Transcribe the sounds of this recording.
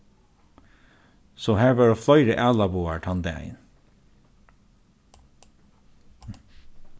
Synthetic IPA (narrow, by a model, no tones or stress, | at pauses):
soːhæːɹʋɑːɹoːflœʏɾəʔæːlɑbuːɑʈʰɑnd̪ɛ̰æ̰ɪn